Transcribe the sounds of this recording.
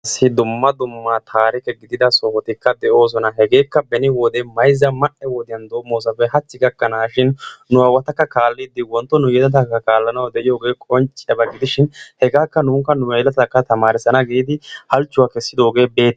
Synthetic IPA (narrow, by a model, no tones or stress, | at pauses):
ɐsːɪd̪ʊmːɐd̪ʊmːat̪ʰaːɾɪkɛɡɪd̪ɪd̪ɐsoːhɔt̪ɪkːɐd̪ɛʔo̞ːs̬ɔnɐɦɛɡe̞ːkːɐbɛnɪwɔd̪emɐjzːɐmɐʔɛwɔd̪ɪjɐnd̪oːmːoːs̬ɐfɛhɐt͡sːɪɡɐkːɐnaːʃɪnːʊɐwɐt̪ɐkːɐkaːlːɪd̪ɪwɔnt̪ːɔnʊjɛd̪ɐt̪̬ɐkːɐkaːlːɐnɐwɐd̪ɛʔɪjo̞ːɡe̞ːkʼɔnt͡ʃʼɪjɐbɐɡɪd̪ɪʃɪnhɛɡaːkːɐnuːŋkːɐnʊɛjɛlɐt̪ɐkːɐt̪ɐmaːɾɪsɐnɐɡiːd̪ɪhɐlt͡ʃːʊwaːkɛsːɪd̪o̞ːɡe̞ːbeːt̪ː